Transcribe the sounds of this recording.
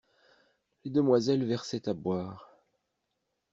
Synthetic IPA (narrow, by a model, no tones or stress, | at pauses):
led̪əmwazɛlvɛʁsɛt̪abwaːʁ